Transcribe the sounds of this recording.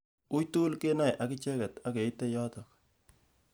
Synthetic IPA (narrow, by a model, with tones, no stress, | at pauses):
u˦jtu˦lke˦na˦jʔa˨kɪ˦t͡ʃɛ˦kɛ˨ta˦ke˨i˦te˦jɔ˦tɔ˨k̚